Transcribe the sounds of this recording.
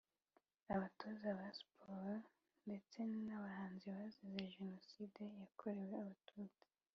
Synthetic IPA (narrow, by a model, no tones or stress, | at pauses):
aβatʰozaβaspʰoɾo | nde̞t͡se̞naβahaːnziβazizeʒeno̞siːdejakʰoɾe̞we̞aβatʰoze̥